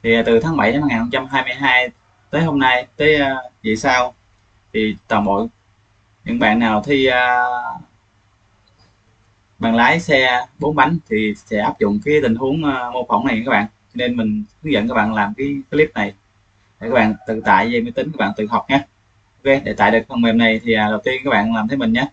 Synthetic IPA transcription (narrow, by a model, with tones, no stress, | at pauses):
t̪ʰi˨˩˨t̪ɨ˨˩t̪ʰaː˨˦ŋɓa˧˩ja˧ma˧˩ŋaː˨˩nhə˧ŋ͡mt͡ɕa˧mɦaː˧jmɨ˧jɦaː˧j | t̪əː˨˦jɦo˧mna˧jt̪əː˨˦jvḭ˧˨saː˧w | t̪ʰi˨˩t̪waː˨˩mɓo̰˧˨j | ɲɨ̰˧˥ŋ̚ɓa̰ː˧˨nːaː˨˩wt̪ʰi˧əː˧ | ɓa̰ː˧˨nlaː˨˦jsɛ˧ɓo˨˦nɓa˨˦jŋ̟t̪ʰi˨˩sɛ̰˧˥ʔaː˦˥p̚zʊ̰˧˨ŋ͡mkaː˨˦jt̪ï˨˩ŋ̟hu˨˦əŋː˧mo˧wfə˧˩wŋ͡mna˨˩j̰kaː˦˥ɓa̰ː˧˨nt͡ɕɔ˧ne˧nmï˨˩ŋ̟sɨ˨˦˥ŋzə̰˧˨nkaː˦˥ɓa̰ː˧˨nlaː˨˩mkaː˨˦jki˧˦li˦˥p̚na˨˩j | a˨˧˩kaː˦˥kɓa̰ː˧˨nt̪ɨ̰˧˨t̪a̰ː˧˨jzə˧mɨ˧˦t̪ï˨˦ŋ̟kːaː˦˥ɓaː˧˨nt̪ɨ˨˩ɦɔ˨˩wk͡p̚ɲaː˧˦˥ | ke˧˦ɗe˧˩t̪a̰ː˧˨jɗɨ˨˩k̚t̪ʰə˨˩mɛ˨˩mna˨˩jt̪ʰi˨˩ʔaː˨˩ɗə˨˩wt̪i˧ənkaː˦˥ɓa̰ː˧˨nlaː˨˩mt̪ʰə˨˦mï˨˩ŋ̟ɲaː˨˧˦